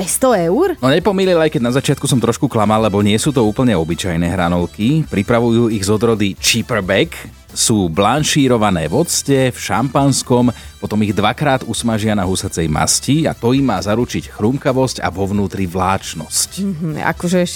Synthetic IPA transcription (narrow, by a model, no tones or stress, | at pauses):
pɛst̪ɔɛʊɾnɔɲɛpɔmililajkɛɟnazat͡ʃɪat̪kusɔmt̪ɾɔʃkuklamallːɛbɔɲɪɛsuːt̪ɔuːpl̩ɲɛɔbit͡ʃajnɛːɦɾanɔlkipɾipɾaʋujuːiɣzɔd̪ɾɔd̪it͡ʃipɾbɛk | suːblanʃiːɾɔʋanɛːʋɔt͡scɛfʃa̰mpanskɔmpɔt̪ɔmiɣd̪ʋakɾaːd̪usmaʒɪanaɦusat͡sɛjma̰scia̰t̪ɔimːaːzaɾut͡ʃicxɾumkaʋɔsca̰ʋɔʋnuːt̪ɾiʋlaːt͡ʃnɔsc̩a̰kɔʒɛ